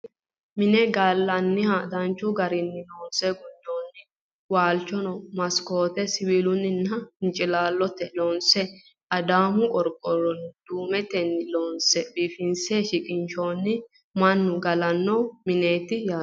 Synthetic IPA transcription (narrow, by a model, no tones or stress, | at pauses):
mɪnɛɡalːɐnːɪhɐd̪ɐnt͡ʃːʊɡɐɾɪnːɪloːnsɛɡʊd̪ːoːnːɪ | waːlt͡ʃːɔnɔmɐskoːt̪ɛsɪwiːlʊnːɪnːɐɪnt͡ʃʼɪlaːlːɔt̪ːɛloːnsɛ | ʔɐd̪aːmʊkʼɔɾkʼːɔɾɔnd̪̥uːmɛt̪ɛnːɪloːnsɛbiːfɪnseːʃɪkʼɪnʃoːnːɪ | mɐnːʊɡɐlɐnːoːmɪneːt̪ːɪjaː